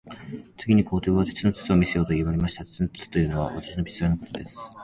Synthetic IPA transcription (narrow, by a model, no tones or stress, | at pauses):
t͡sɨɡʲiɲ̟ikoːt̪e̞ːβat̪e̞t͡sɨno̞t͡sɨ̥t͡sɨo̞mʲisejo̞ːt̪o̞iβaɾe̞maɕi̥t̪at̪e̥t͡sɨnot͡sɨ̥t͡sɨ̥t̪o̞jɯ̟ːno̞βa̰βa̰t̪ḁɕino̞bʲi̥t͡sɨɾanoko̞̥t̪o̞d̪e̞sɨ̥